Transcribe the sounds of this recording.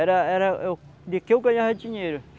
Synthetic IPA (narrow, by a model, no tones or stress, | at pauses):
ɛɾaɛɾad̪ikeukaɲaɦad͡ʒiɲeɾu